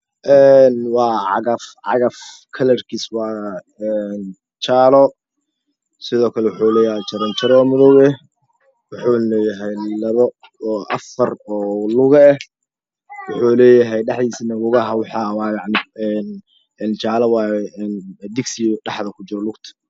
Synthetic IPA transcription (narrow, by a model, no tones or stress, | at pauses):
ʔɛnwɑːʕɑ̰ɣɐfʕɑ̰ɣɐf | kʰɐlɐrkʰiːswɑː | ɛn | t͡ʃaːlɔ | sɪðɔːkʰɐlɛwʊħuːlɛːjɦɛjt͡ʃɐɾɐnt͡ʃʰɐɾɔːmɪðɔɣɛ | wʊħulɛjɐɦɛjlɐβɔː | ʔɐ̰fɐrɔːlʊɣɐɛh | wʊħuːlɛːjɐɦɛjɖɑħðiːsinɐɣʊɣɐɦɐwɑħɑːwɑːjɑʕnɪɛn | ɛnt͡ʃʰaːlɐwɑːjɛɛnd̪ɪɡsɪɖɑħðɐkʰʊt͡ʃɪɾɔlʊɡt̪ʰɐ̥